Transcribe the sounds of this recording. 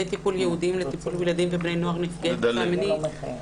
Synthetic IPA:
ejt̪ipuljeud̪imlet̪ipulbilad̪imvebnejno̞aʁnifɡet̪amini

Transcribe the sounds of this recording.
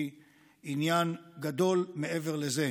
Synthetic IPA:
i | injanɡad̪o̞lmeʔeve̞ʁleze

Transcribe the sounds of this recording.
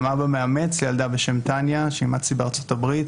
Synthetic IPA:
maʁbemeame̞t͡sljald̪abeʃe̞mtanjaʃeimat͡sibeaʁt͡so̞t̪abʁit

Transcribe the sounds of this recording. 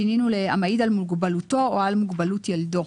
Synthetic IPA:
ininulea̰majid̪almuɡbalutooalmuɡbalut̪jeld̪o

